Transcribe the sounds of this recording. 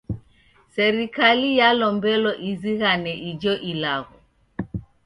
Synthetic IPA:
sɛɾikalijalɔmbɛlɔʔiziɣanɛʔid͡ʒɔʔilaɣɔ

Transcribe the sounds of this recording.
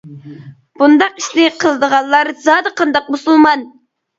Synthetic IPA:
b̥und̪ɑqiʃnɪqʰəlˠɨd̪əʁɑlˠlːˠɑɾzɑːd̪ɨqʰɑnd̪ɑq̚musulˠmɑn

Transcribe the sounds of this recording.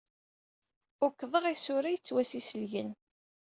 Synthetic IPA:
ʊkːðˤəʁisʊɾajət͡sːwæsisəlʝən

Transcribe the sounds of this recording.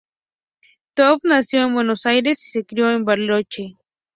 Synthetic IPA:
t̪opnasjonbwenosajɾesi̥sekɾjoembaɾlot͡ʃe

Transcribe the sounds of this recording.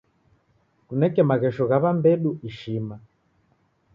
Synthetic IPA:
kunɛkɛmaɣɛʃɔɣaβambɛɗuiʃima

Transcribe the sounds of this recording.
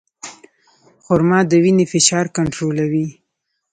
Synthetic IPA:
xʊɾmɑd̪əwinefɪʃɑɾkaɳʈɾolawi

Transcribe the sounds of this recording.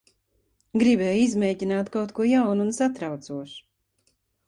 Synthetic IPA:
ɡɾibɛːjuizmɛːcinaːt̪kawt̪kuɔjawnunsat̪ɾawt̪suɔʃu̥

